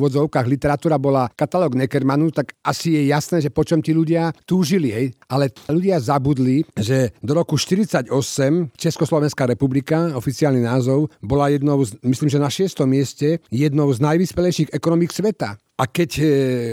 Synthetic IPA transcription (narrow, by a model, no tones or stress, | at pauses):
ʋɔd͡zɔʊkaːɣlit̪ɛɾat̪uːɾabɔlakat̪alɔːɡnɛkɛɾmanut̪aɡasijɛjasnɛːʒɛpɔt͡ʃɔmt̪iːluɟɪat̪uːʒiliɦɛjʔalɛluɟɪazabud̪liʒɛd̪ɔɾɔkuʃt̪iɾit͡saɟɔsɛmt͡ʃɛskɔslɔʋɛnskaɾɛpublikaɔfit͡siaːlninaːzɔʊbɔlajɛd̪nɔʊzmisliːmʒɛnaʃɪɛst̪ɔmːɪɛscɛjɛd̪nɔʊznajʋispɛlɛjʃiːɣɛkɔnɔmiksʋɛt̪a̰ | ʔakɛc